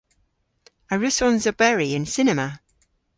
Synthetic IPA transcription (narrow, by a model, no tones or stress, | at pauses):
əɹʉsɔ̃nzəbɛɹiɪ̃nsɪnɛmə